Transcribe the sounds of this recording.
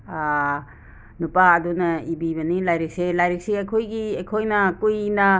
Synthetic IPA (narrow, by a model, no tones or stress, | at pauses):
nupaːdunɐibiβɐnilajɾik̚selajɾik̚seɐjkʰojɡiɐjkʰojnɐkujnɐ